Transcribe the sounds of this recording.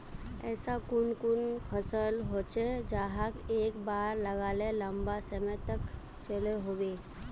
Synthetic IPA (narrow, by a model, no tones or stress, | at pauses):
ɛ̰ːsakʊnkʊnpʰəsəlɦoːt͡ʃed͡ʒaːɦakeːkbaːɾləɡaːlelə̃mbasəmɛ̃t̪ək | t͡ʃəleɦoːweː